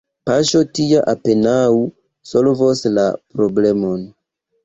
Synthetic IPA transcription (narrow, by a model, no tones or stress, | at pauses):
paʃotiaʔapenawu | solvosla̰pɾoble̞mon